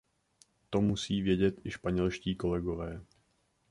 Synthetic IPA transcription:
t̪o̞musiːvjɛɟɛt̪ʔɪʃpaɲɛlʃciːko̞lɛɡo̞vɛː

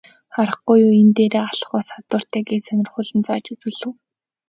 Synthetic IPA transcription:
χaɾə̆χɡujuːent̪eːɾeːaɮ̆χɔːsat̪wə̆r̥t̪ʰæːɡiːsœnʲɪ̆rχʊːɮɘ̆nt͡saːt͡ɕut͡sŭːɮɘ̆w

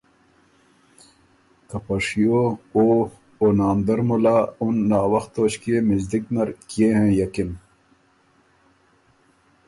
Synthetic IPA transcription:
kɐpɐʂijooː | oːnaːmd̪ɐɾmulaːunːaːwɐxt̪oːɕkiemizd̪ik̚nɐɾkieɦẽjɐkin

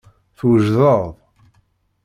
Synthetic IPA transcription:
θwəʒðəðˤ

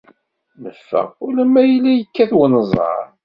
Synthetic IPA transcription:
nəfːə̰ʁulæmːæjəlːæjəkːæθwənəzˤɑ̰ɾˤ

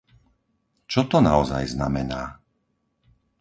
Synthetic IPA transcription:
t͡ʃɔt̪ɔnaɔza̰jzna̰mɛnaː

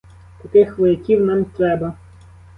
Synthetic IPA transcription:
t̪ɐkɪxʋɔjɐkʲiwnɑmt̪ɾɛbɐ

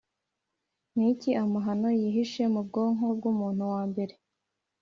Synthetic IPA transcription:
niciʔamuɦano̞jiɦiʃe̞mubɡoːŋo̞b̚ɡumuːn̥huwaːmbe̞ɾe̞

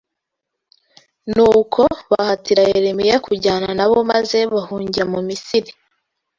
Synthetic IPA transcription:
nuːkʰo̞βahatiɾajeɾemijakuɟaːnanaβo̞maze̞βahuːɲɟiɾamumisiɾi

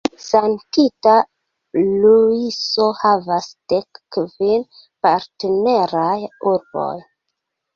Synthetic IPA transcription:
santita | luiso̞havasd̥ekːvin | paɾtene̞ɾajuɾbo̞̰j

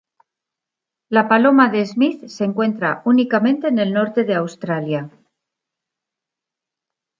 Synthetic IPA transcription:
lapalo̞maðe̞zmiθse̞ŋkwe̞nt̪ɾaunikamẽ̞nt̪e̞ːne̞lno̞ɾt̪e̞ðe̞awst̪ɾalja

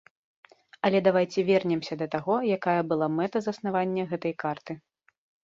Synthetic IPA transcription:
ɐlʲɛd̪avajt͡sʲɛvʲɛrnʲɛmsʲɐd̪ɐt̪aɣɔjakajɐbɨlˠamɛt̪ɐzɐsnavanʲːɐɣɛt̪ɐjkart̪ɨ

